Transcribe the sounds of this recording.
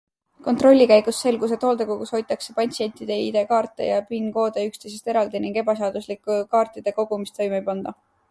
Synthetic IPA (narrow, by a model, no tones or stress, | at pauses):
ko̞nt̪ro̞lʲːikæjɡ̥usːe̞lɡuse̞t̪o̞ːld̪ekukusho̞jt̪ːˑɑkse̞pɑnʲt̪sie̞nʲt̪id̪̥e̞id̪̥e̞kɑːrt̪ːˑe̞̰jɑpinko̞ːd̪̥eykst̪e̞js̬e̞st̪e̞ɾɑld̪iniŋɡ̥e̞bɑseɑːd̪̥uslikːukɑːrt̪ˑid̪̥e̞ko̞ɡ̥umist̪o̞jmejpɑnd̪̥ɑ